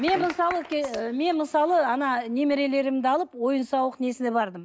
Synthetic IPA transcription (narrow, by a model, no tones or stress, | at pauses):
me̞nməsɑlˠəkʲʰeme̞nməsɑlˠəɑnɑne̞mɪɾe̞le̞ɾɪmd̪ɪɑlˠəpwo̞jənsɑwəqne̞sɪnebɑɾd̪əm